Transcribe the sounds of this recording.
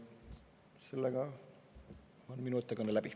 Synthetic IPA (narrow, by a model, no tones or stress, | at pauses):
selːeɡɑ | onminut̪ːˑɑkɑnːelæbi